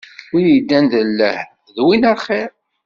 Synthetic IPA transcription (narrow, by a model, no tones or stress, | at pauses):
ʊɾjid̪ːænðəlːəh | ðwinaχiɾ